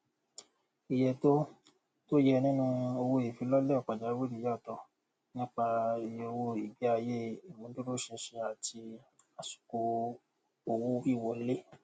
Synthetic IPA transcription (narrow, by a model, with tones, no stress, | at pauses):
i˨jɛ˧to˦ | to˦jɛ˧nĩ˦nũ˦o˧wo˧e˨fĩ˨˦lɔ˦lɛ˦˨ɔ˨k͡pa˨d͡ʒa˨˦wi˦ɾi˨ja˦˨tɔ˧ | nĩ˦k͡pa˧i˧jo˧wo˧i˨bi˨˦a˧je˦i˨mũ˨˦du˦ɾo˦ʃɛ˧ʃe˧a˨ti˧ | a˨su̥˨ko˧ | o˧wo˦fi˦˨wɔ˧˦le˦